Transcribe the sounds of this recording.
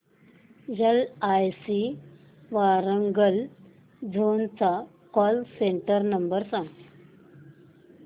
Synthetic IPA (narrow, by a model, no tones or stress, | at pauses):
jelajsi | ʋaɾəŋɡəl | d͡zʱont͡sa | kɔlseɳʈəɾnəmbəɾsãŋɡt̪